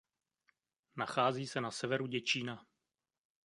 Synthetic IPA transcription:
naxaːziːsɛnasɛvɛɾuɟɛt͡ʃiːna

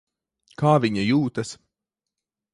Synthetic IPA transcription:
kaːvʲiɲajuːt̪ɐs

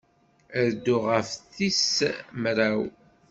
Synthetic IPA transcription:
əɾd̪ːʊʁəfθismɾæw

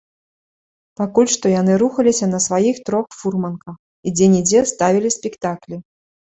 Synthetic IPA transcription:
pakulʲʂt̪ɔjan̪ɨɾuxɐlʲisʲɐnɐsvajixt̪ɾɔxfurmɐnkɐx | id͡zʲɛnʲid͡zʲɛst̪avʲilʲisʲpʲikt̪aklʲi

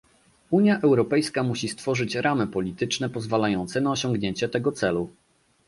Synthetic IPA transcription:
uɲjaʔɛwɾɔpɛjskamuɕist̪fɔʐɘt͡ɕɾamɘpɔlʲit̪ɘt͡ʂnɛpɔzvalajɔnt̪sɛnaɔɕɔŋɡɲeɲt͡ɕɛt̪ɛɡɔt̪sɛlu

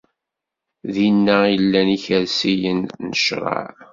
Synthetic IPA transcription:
ðinːæjəlːæniçəɾsijənnəʃɾˤɑ̰ʕ

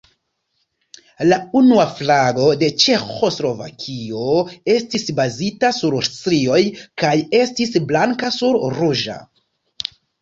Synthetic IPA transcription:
launuaflaɡo̞de̞t͡ʃe̞xo̞slo̞va̰kʰio̞e̞stisbazitasuɾtɾio̞jkaje̞stisblaŋkasuɾruʒa̰

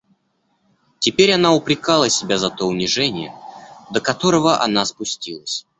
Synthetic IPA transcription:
tʲɪpʲeɾʲɐnaʊpɾʲɪkalˠəsʲɪbʲazɐt̪o̞ʊnʲɪʐɛnʲɪ̰jə̰d̪əkɐt̪o̞ɾəvəʔɐ̰n̪aspʊsʲtʲilˠəsʲ

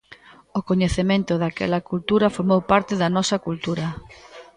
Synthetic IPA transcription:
okoɲeθemẽnt̪ʊðakɛ̰lɐkult̪uɾɐfoɾmowpaɾt̪ɪðɐnɔsɐkult̪uɾɐ

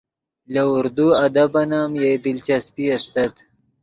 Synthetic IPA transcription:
laʊɾd̪uɐd̪abɐnaːmjed̪ɪlt͡ʃaspiast̪ɐt̪

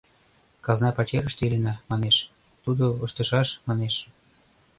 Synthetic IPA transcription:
kɑznɑpɑt͡ɕeɾə̆ʃt̪ilʲə̆nɑmɑneʃ | t̪ud̪ooʃt̪ə̆ʃɑʃmɑneʃ

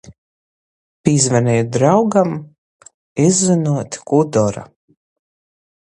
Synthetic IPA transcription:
pizvɛnɛjd̪ɾawɡam | izːinuɔt̪kud̪ɔɾa̰

